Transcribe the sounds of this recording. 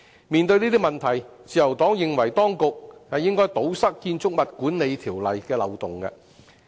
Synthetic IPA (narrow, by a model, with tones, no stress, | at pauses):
miː˨nt̪ɵ˧ɥniː˥t̪̬i˥mɐ˨nt̪ʰɐ˨˩jt͡siː˨jɐ˨˩wt̪ɔː˨˥ŋjɪ˨ŋwɐ˨˩jt̪ɔː˥ŋkʊ˨k̚hɐ˨jɪ˥ŋkɔː˥jt̪o˨˥wsɐ˥k̚kiː˧nt͡sʊ˥k̚mɐ˨t̚kuː˨˥nle˨˧jt̪ʰiː˨˩wlɐ˨jkɛː˧lɐ˨wt̪ʊ˨ŋkɐ̰˧